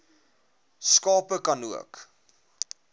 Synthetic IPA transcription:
skɑːpəkɐnuə̰k

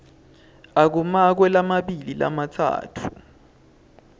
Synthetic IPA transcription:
ak̬umak̬wɛlamaɓilila̰matʰa̰ːtʰu

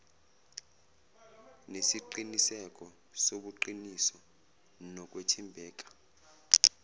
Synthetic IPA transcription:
nesiǃinisɛk̬ʼɔ | soɓuǃinisɔ | nɔk̬ʼwetʰimbʱɛːk̬ʼḁ

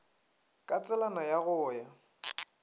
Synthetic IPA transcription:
kʼat͡sʼɛlanajaɣʊːja

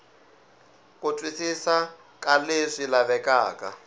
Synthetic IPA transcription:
kutwisisa | kaleʂilaβɛkaːka̰

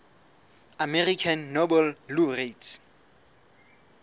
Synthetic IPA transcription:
amɛrikʰanːobɛlluret

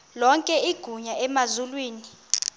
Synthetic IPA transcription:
lɔŋkʼɛiɡ̥ʱuɲaʔɛmazulwiːni

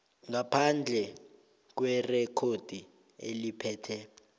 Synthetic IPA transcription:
ŋapʰand͡ɮʱɛ | k̬wɛrɛkʰod̥ʱi | ḛlipʰɛːtʰɛ

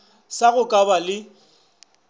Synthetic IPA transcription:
saɣʊkʼabalɪ

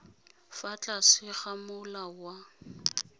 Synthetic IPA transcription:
fat͡ɬʼasɪχamʊlawa

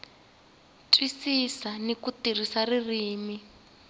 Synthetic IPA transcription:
tʰʼwisisanikutir̤isaririːmi

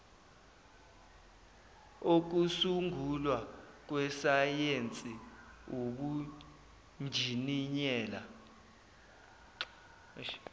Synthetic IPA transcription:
ok̬usuŋɡʱulwak̬wɛsajent͡sʼioɓu | nd͡ʒʱiniɲɛːla

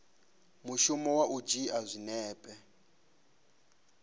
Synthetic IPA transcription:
muʃumɔwaʔud͡ʒiazʷinɛːpʼɛ

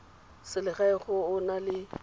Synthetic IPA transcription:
sɪlɪχaɪχʊʊnalɪ

